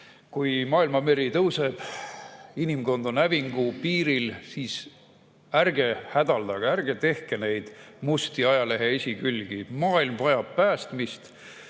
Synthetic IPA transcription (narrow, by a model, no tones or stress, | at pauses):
kujmɑːilmɑme̞ɾit̪ɤwse̞b̥ | inimko̞nd̪̥onæviŋɡ̥upiːɾilsiːs | ærɡe̞hæd̪̥ɑld̪̥ɑɡ̥ærɡ̥e̞t̪e̞hke̞ne̞jd̪̥must̪iɑjɑle̞ɦeesʲikylʲɡ̥imɑːilmvɑjɑb̥̚pæːst̪mist̪